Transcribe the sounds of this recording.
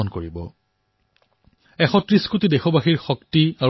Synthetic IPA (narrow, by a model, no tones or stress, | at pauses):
ɔnkoɹibɔ̰ | ɛxɔtɹiskutidɛxɔbaxiɹxɔktia